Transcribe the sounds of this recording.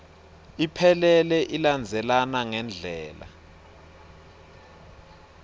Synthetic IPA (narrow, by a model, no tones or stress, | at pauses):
ipʰɛlɛlɛʔiland͡zʱɛlanaŋɛnd͡ɮʱɛːla̰